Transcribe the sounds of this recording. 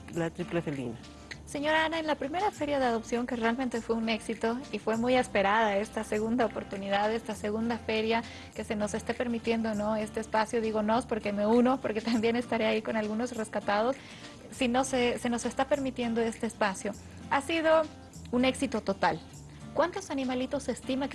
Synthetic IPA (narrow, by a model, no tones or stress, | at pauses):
lat̪ɾiplefelḭna | se̞ɲo̞ɾaanaenlapɾime̞ɾafe̞ɾjaðe̞aðo̞psjo̞ŋke̞re̞almẽnt̪e̞fwe̞une̞ksit̪o̞ifwe̞mujespeɾaðae̞st̪ase̞ɣund̪aopo̞ɾt̪uniðaðe̞st̪ase̞ɣ̞und̪afe̞ɾja | ke̞se̞no̞se̞st̪epe̞ɾmit̪je̞nd̪ono̞e̞st̪eːspasjo̞ðiɣo̞no̞spo̞ɾke̞me̞uno̞po̞ɾke̞t̪ambje̞ne̞st̪aɾeaiko̞nalɣuno̞sre̞skat̪að̞o̞sː | inosese̞no̞se̞st̪ape̞ɾmit̪je̞nd̪o̞e̞st̪eːspasjo̞ | asið̞o̞ | une̞ksit̪o̞t̪o̞t̪al | kwant̪o̞sanĩmalit̪o̞se̞st̪ima